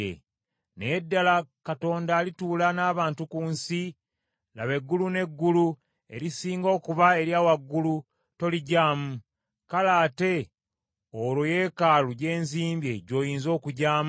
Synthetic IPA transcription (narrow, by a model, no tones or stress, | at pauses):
ḛ | nḛjedːalakato̞ːndaːlituːlanaːβaːntukuːnsi | la̰βe̞ɡːulune̞ɡːulu | e̞̰ɾisiːŋɡo̞ːkuβae̞ɾjaːwaɡːulu | to̞liɟaːmu | kalaːte̞ | oloje̞ːkaluɟe̞ːnziːmbje̞ɟo̞ːjiːnzo̞ːkuɟaːm